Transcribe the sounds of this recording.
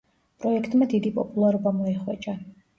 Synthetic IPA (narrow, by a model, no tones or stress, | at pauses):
pʼɾɔɛkʰt̪ʼmad̪id̪ipʼɔ̰pʼulˠaɾɔbamɔɛχwɛ̰t͡ʃʼa